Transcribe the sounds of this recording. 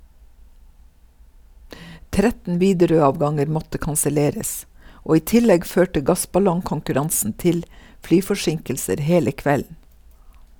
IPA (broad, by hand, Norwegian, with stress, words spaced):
ˈtɾɛtn̩ ˈʋiːdɛɾøːˌɑːʋɡɑŋəɾ ˈmɔtə kɑnsəˈleːɾəs ˈoː ˈiː ˈtɪlɛɡ ˈføːʈə ˈɡɑsbɑlɔŋkɔŋkʉˌɾɑnsn̩ ˈtɪl ˈflyːfɔˌʃɪŋkl̩səɾ ˈheːlə ˈkʋɛln̩